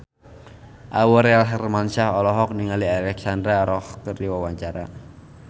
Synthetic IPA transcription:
ʔawɔɾealɦɛrmanʃahɔlɔɦɔk̚niŋalialɛksand̪ɾaɾɔhkəriwawaɲt͡ʃaɾa̰

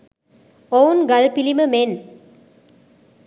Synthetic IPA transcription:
oːnɡɐlpiliməmen

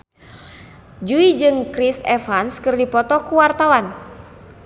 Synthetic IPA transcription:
d͡ʒuid͡ʒɨŋkɾisɛfanskɨrdipɔt̪ɔkuwart̪awan

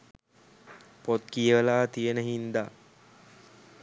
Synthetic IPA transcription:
pot̪̚kijəʋəlaːt̪ijənəɦind̪a

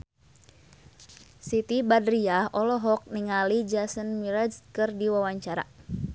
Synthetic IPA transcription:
sit̪ibadɾiaɔlɔɦɔk̚niŋalid͡ʒasənmiɾaskɨrdiwawaɲt͡ʃaɾa̰

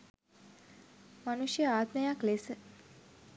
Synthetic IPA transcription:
manuʃjəaːt̪məjaklesə

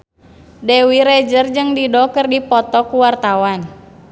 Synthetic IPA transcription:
dɛwiɾɛd͡ʒərd͡ʒɨŋdidɔkərdipɔt̪ɔkuwart̪awan

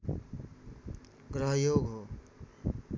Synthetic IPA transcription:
ɡɾəɦjoːɡɦo

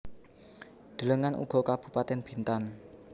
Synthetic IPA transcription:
d̪̥ələŋanʔṵɡ̥ɔ̤kab̥ṳpat̪ɛnb̥i̤nt̪an

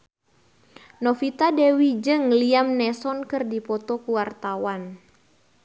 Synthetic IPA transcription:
nɔfit̪adɛwid͡ʒɨŋliamnɛsɔnkɨrdipɔt̪ɔkuwart̪awan

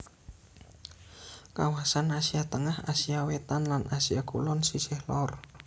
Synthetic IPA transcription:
kawasanasiat̪əŋahasiawet̪anlanʔasiakulɔnsisɪhlɔr

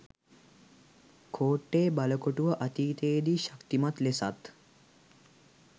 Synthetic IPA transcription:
kʰoːʈːeːbaləkoʈuʋəʔɐt̪iːt̪eːd̪iʃḁkt̪imat̪lesa̰t̪

